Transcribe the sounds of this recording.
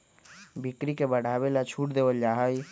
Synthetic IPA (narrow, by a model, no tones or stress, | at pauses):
bikɾikebəɽ̤ʱabelat͡ʃʰuʈd̪ebəld͡ʒaɦəj